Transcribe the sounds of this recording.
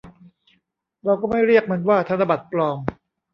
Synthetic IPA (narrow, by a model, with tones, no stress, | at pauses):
ɾaː˧wkɔː˥˩ma˥˩jɾi˥˩ək̚ma˧nwaː˥˩t̪ʰa˧nt̪a˧ba˨˩t̪̚plɔː˧ŋ